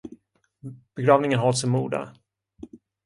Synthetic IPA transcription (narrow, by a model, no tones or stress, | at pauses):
b̥ɛɡɾɑːvnɪŋənɦɔlsɛmːuːd̪a̰